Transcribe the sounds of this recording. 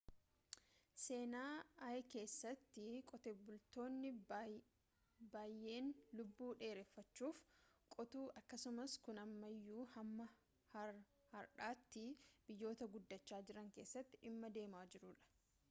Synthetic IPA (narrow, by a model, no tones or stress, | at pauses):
se̞ːnaːɐke̞ːsːɐt̪ːɪkʼɔt̪eːbʊlt̪o̞ːnːɪ | baːjːe̞ːnlʊbːuːᶑe̞ːɾɛfːɐt͡ʃːuːfkʼɔt̪uːʔɐkːɐsʊmɐskʊnɐmːɐjːuːhɐmːɐ | hɐ | hɐɾᶑaːt̪ːɪb̥ɪjːo̞ːt̪ɐɡʊd̪ːɐt͡ʃːaːd͡ʒɪɾɐŋke̞ːsːɐt̪ːɪʔɪmːɐd̪e̞ːmaːd͡ʒɪɾʊᶑɐ̥